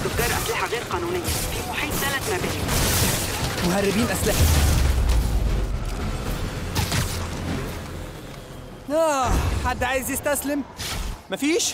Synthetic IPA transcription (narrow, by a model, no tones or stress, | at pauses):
oɡɑɾˤʔæslɪħaɣeːɾqɑːnuːnɪjːæfimoħeːsælæmæbɪː | moɦærːɪbiːnʔæslɪħe | æħad̪ːʕaːjezjest̪æslemmæfiːʃ